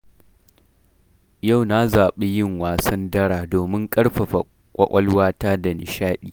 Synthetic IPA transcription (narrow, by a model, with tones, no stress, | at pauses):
ja˦˨wna˦zaː˨ɓe˦jɪ˦ŋwaː˨sɐ˦ndɐ˦ɽaː˨doː˨mɪ˦ŋkʼɐ˦ɽɸɐ˨ɸa˨ | kʷʼɐ˦ʔʷʼɐ˦lwaː˦taː˦da˨nɪ̰˨ʃaː˦ɗiː˨